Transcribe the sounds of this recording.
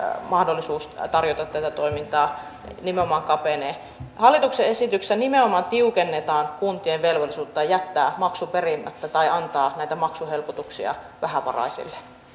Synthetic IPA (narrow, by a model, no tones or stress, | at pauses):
mɑhdolːˑisuːst̪ɑrjot̪ɑt̪t̪ːæt̪æt̪oimint̪ɑː | nimeomɑŋkɑpeneː | hɑlːˑit̪ukseesit̪yksænimeomɑnt̪iukenːet̪ɑːŋkunt̪ieʋʋelʋolːisuːt̪ːɑjæt̪ːæːmɑksuperimːæ̰t̪ːæt̪ɑiɑnt̪ɑːnæit̪æmɑksuhelpot̪uksḭɑ̰ | ʋæhæʋɑ̰rɑ̰isḭlːe̥